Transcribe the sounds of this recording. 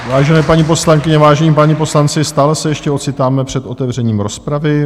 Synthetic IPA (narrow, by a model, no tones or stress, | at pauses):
vaːʒɛnɛːpaɲip̬o̞slaŋkɪɲɛvaːʒɛɲiːpaɲipo̞slant͡sɪst̪aːlɛsɛjɛʃcɛo̞t͡sɪt̪aːmɛpr̝̥ɛt̪ʔo̞t̪ɛvr̝ɛɲiːmɾo̞spɾavɪ